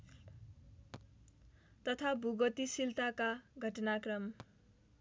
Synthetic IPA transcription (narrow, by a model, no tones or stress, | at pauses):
t̪ʌt̪ʰabʱuɡʌt̪isilt̪akaɡʱʌʈʌnakrʌm